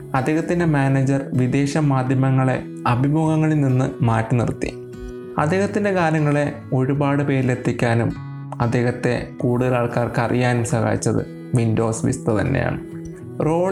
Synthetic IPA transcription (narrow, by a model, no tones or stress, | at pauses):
ɐd̪ːeːɣɐt̪ːindemaːned͡ʑɐrʋid̪e̞ːɕɐmaːd̪ʱjɐmɐŋːɐɭe̞̰ | ɐbʱiboːɣɐŋːɐɭilninːɨmaːtːɨnḭrt̪ːḭ | ɐ̰d̪ːe̞ːhɐt̪ːinde̞kaːɾjɐŋːɐɭe̞ | o̞ɻubaːɽɨpe̞ːɾile̞t̪ʰːikʲːaːnum | ɐd̪ːe̞ːɣɐt̪ːe̞̰kuːɽuðɐlaːɭkaːrkɨɐrʔḭjaːnumsɐha̰ːjit͡ɕːɐðɨ̰ | ʋindo̞ːsʋḭst̪ɐt̪ɐ̰nːḛja̰ːɳɨ | ro̞ː